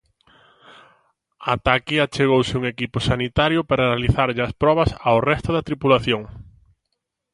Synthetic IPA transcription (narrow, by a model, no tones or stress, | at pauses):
at̪akiat͡ʃeɣowsɪuŋekipʊsanit̪aɾjʊpaɾaaliθaɾʎɪaspɾɔβɐsawrɛst̪ʊðɐt̪ɾipulaθjoŋ